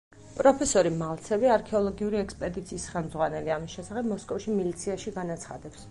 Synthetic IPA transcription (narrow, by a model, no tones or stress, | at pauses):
pʼɾɔpʰɛsɔɾimalˠt̪sʰɛviaɾkʰɛɔlˠɔɡiuɾiɛkspʼɛd̪it̪sʰiːsχɛlˠmd̪zʁwanɛliamisʃɛsaχɛbmɔskʼɔfʃimilit̪sʰiaʃiɡanat̪sʰχa̰d̪ɛps